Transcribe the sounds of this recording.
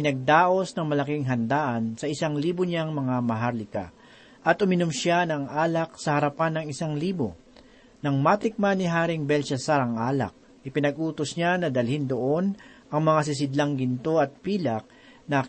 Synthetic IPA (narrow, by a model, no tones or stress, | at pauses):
ɪnɐɡ̚d̪aːʔo̞snɐŋmɐlɐkɪŋɦɐnd̪aːʔɐnsɐʔɪsaŋliːbʊɲaŋmɐŋamɐɦaɾlɪka̰ | ʔɐt̪ʔʊmɪnomʃanɐŋʔaːlɐk̚sɐhɐɾɐpanːɐŋɪsaŋliːbo | nɐŋmat̪ɪk̚manɪɦaːɾɪŋbɛlʃɛsaɾɐŋʔaːlɐ̰k̚ | ʔɪpɪnɐɡʔuːt̪osɲanɐd̪ɐlhɪnd̪oʔo̞nʔɐŋmɐŋas̬ɪs̬ɪd̪laŋɡɪnt̪o̞ɐt̪̚piːlɐk̚ | nɐ